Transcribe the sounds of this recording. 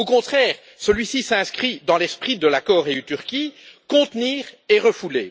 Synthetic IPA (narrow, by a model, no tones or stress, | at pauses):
okɔ̃t̪χɛːʁ | səlɥisisɛ̃skχid̪ɑ̃lɛspχid̪əlakɔʁeyt̪yʁkʲikɔ̃t̪niːʁeʁəfule